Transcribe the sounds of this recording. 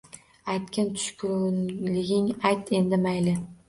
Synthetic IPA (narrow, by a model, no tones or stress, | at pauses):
ajt̪kʲʰant̪ʰʊ̥ʃkʲʰʊɾlɪɡʲɪŋajt̪e̞nd̪ɪmajlɪ